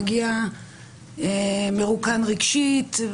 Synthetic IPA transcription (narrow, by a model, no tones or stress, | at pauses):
ɡia | emeʁukanʁiɡʃit̪